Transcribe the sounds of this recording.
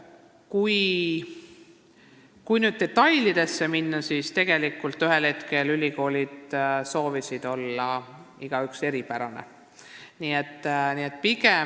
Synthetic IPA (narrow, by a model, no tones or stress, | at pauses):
kuj | kujnyːd̪̚ːe̞t̪ːˑɑjlid̪̥e̞sːe̞minːɑsiːst̪e̞ɡ̥e̞likːˑult̪ˑːyɦe̞lhe̞t̪ke̞lylʲiko̞ːlʲid̪̥so̞ːvisid̪̥o̞lːɑ | iɡ̥ɑykse̞ɾipæɾɑne̞̰ | niːet̪ːniːet̪̚ːˑpiɡ̥e